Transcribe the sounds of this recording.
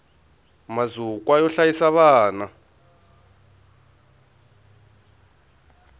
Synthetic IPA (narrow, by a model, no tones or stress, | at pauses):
mazukʼwajɔɬajisaβaːna